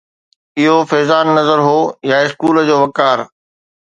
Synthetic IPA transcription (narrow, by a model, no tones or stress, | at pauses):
ɪɦofɛːzaːnːɐzəɾɦoːjaɪskuːləd͡ʑoːʋɐkaːɾ